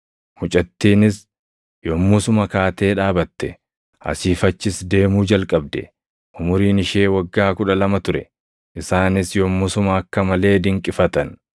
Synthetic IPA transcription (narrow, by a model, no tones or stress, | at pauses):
mʊt͡ʃʼɐt̪ːiːnɪs | jɔmːʊsʊmɐkaːt̪e̞ːᶑaːbɐt̪ːɛ | ʔɐ̰siːfɐt͡ʃːɪsd̪e̞ːmuːd͡ʒɐlkʼɐb̚d̪ɛ̰ | ʔʊmʊɾiːnɪʃe̞ːwɐɡːaːkʊᶑɐlɐmɐt̪ʊɾɛ | ʔɪsaːnɪsjɔmːʊsʊmɐːkːɐmɐle̞ːd̪ɪŋkʼɪfɐt̪ɐn